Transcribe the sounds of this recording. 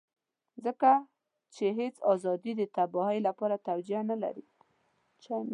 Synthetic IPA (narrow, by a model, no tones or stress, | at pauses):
zəka | t͡ʃeɦet͡sɑzɑd̪id̪ət̪abɑɦəjlapɑɾat̪awd͡ʒianala̰ɾi | t͡ʃam